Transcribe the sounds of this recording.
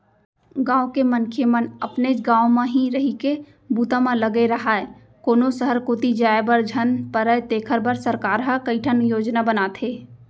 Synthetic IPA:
ɡãːõkemənkʰemənəpned͡ʒɡãːomẽɦĩɾəɦike | buːt̪ãmẽləɡeɾəɦae | koːnosəɦəɾkot̪id͡ʒaːebəɾd͡ʒʱənpəɾəet̪eːkʰəɾbəɾsəɾkaːɾɦəkəɪʈʰənjoːd͡ʒnabənat̪ʰeː

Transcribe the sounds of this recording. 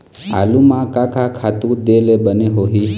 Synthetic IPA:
a̰lumãkãkʰakʰat̪ũd̪elebəneɦoɦi

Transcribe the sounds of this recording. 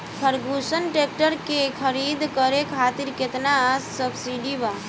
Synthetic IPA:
pʰəɾɡusənʈek̚ʈəɾkekʰəɾid̪kəɾekʰaːt̪iɾket̪nasːəbsiɖiba

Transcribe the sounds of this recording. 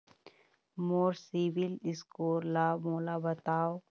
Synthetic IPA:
moːɾsiːbilɪskoːɾlamoːlabɐt̪aːo

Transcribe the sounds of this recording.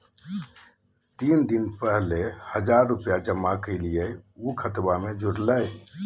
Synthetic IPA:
t̪ind̪inpəɦlehəd͡ʒaɾːupjad͡ʒəmːakəɪlijəukʰət̪bamed͡ʒʱuɽləj

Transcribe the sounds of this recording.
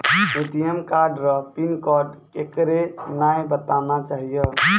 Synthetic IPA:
uʈijemkaɾɖɾəɦpinkɔɾɖkekɾenajbət̪anat͡ʃaːɦijə

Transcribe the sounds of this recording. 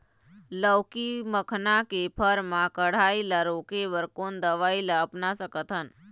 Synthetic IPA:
ləwkiməkʰnakepʰəɾmãkəɽ̤aːiləɾokeʋəɾkoːnd̪əʋaːiləːpnasəkət̪ʰɦən

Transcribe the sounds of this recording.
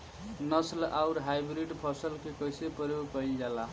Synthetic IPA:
nʌslawɾɦajbɾiɖpʰɔsəlkekʌjsepʌɾjokʌid͡ʒala

